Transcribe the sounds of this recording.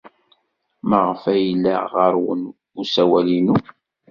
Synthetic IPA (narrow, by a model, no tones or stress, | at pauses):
məʁfæjəlːæ̰ʁəɾˤwə̰n | usæwælinu